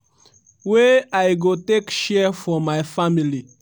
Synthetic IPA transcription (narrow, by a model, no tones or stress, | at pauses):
weajɡotekʃɛfɔmajfamili